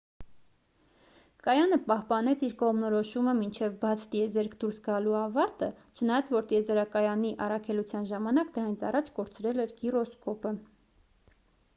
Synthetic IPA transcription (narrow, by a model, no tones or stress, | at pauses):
kɑjɑnəpɑhpɑnɛt͡sʰiɾkɔʁmnɔɾɔʃuməmint͡ʃʰɛvbɑt͡sʰt̪jɛzɛɾkʰd̪uɾsɡɑluɑvɑɾt̪ə | t͡ʃʰənɑjɑt͡svɔɾt̪iɛzɛɾɑkɑjɑniʔɑ̰rɑkʰɛlut͡sʰjɑnʒɑmɑnɑkd̪əɾɑnit͡sʰɑ̰rɑt͡ʃʰkɔɾt͡sɾɛlɛɾkirɔskɔpə